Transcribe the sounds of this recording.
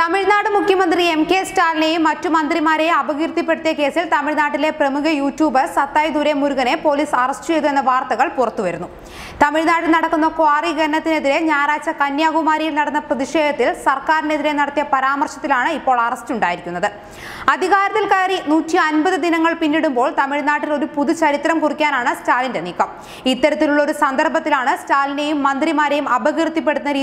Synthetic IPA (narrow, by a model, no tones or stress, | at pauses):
t̪ɐmiɻnaːɽɨmukʰjɐmɐnd̪riemkeːstaːlnejumːɐtːumɐnd̪rimaːɾeɐbɐɣiɾt̪ipːe̞ɽut̪ijɐke̞ːsilt̪ɐmiɻnaːʈːile̞prɐmuɣɐjuːtːjuːbɐsɐt̪ːaːjd̪uɾemuɾuɣɐne̞po̞ːliːsɐrɐstɨt͡ɕe̞jðue̞nːɐʋaːrt̪ɐɣɐɭpurɐt̪ːuʋɐɾunːu | t̪ɐmiɻnaːɽɨlnɐɽɐkːunːɐkaːriɡɐɾɳɐt̪ːine̞ðiɾe̞ɲaːɾaːt͡ɕɐkɐnjaːɡumaːɾijilnɐɽɐnːɐprɐðiʂe̞ːd̪ɐt̪ːilsɐrkaːɾineðiɾe̞nɐɽɐt̪ːijɐpɐɾaːmɐrʂɐt̪ːilaːɳɨipːo̞ːɭɐrɐstuɳɖaːjiɾikʲːunːɐðɨ | ɐd̪ʱiɣaːɾɐðɐlkaːɾinuːtːiɐnbɐðɨd̪inɐŋːɐɭpinːiɽumbo̞ːɭt̪ɐmiɻnaːʈːilo̞ɾupuðut͡ɕɐɾit̪ːɾɐmkurikʲːaːnaːɳɨstaːlinde̞nikːɐm | it̪ːɐɾɐt̪ːiluɭːɐo̞ɾusɐnd̪ɐrbʱɐt̪ːilaːɳɨstaːline̞jumːɐnd̪rimaːɾejumɐbɐɣrt̪ːip̬ːe̞ɽut̪unːɐɾiː